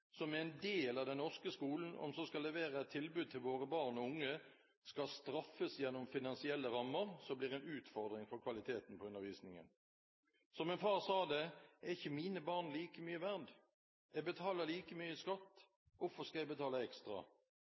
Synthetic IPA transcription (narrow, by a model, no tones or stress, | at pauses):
sɔmɛɛɪnd̪eːlɑʋd̪ɛnːɔʁskəskuːln̩ɔ̰msɔskɑlːɛʋeːʁəɛt̪ʰːɪlbʉːd̪̚t̪ʰɪlʋoːʁəbɑːʁnɔʊŋːə | skɑst̪ɾɑfəsjɛnːʊmfɪnɑnsɪɛlːəʁɑmːəʁsɔmbliːʁɛnʉːt̪fɔʁd̪ʁɪŋfɔʁkʰʋɑlɪt̪ʰeːt̪n̩pʰɔʉnəɾʋiːsnɪŋə̰n | sɔmɛɪnfɑːʁsɑːd̪ɛɛɪçəmiːnəbɑʁnliːkəmyːəʋæʁd̪ | ɛɡbət̪ʰɑːləliːkəmyːəskɑt̪ː | ʔʊfɔskɑlɛbət̪ʰɑːləɛkst̪ʁɑ̰